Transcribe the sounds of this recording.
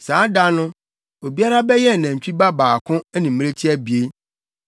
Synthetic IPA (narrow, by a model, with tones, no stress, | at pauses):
sãː˨˦da˦nʊ̃˦ | o˨bi˦a˦ɾa˦bɛ˦jɛ˦˨nɛ̃˨t͡ɕᶣi˦ba˦baː˨kʰʊ̃˦ɛ˦nĩ˨m̩˦m˦ɾe˦t͡ɕʰi˦æ˦bi˨e˦